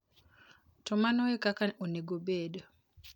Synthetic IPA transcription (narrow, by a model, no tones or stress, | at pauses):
tɔmanɔɛkakaoneɡobedo